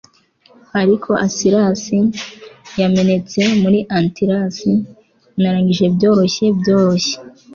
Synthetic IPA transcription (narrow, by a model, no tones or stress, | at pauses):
aɾikʰo̞ʔasiɾasi | jame̞ne̞t͡se̞muɾiʔantiɾasi | naɾaːŋɡiʒe̞bjo̞ːɾo̞çe̞bjo̞ːɾo̞çe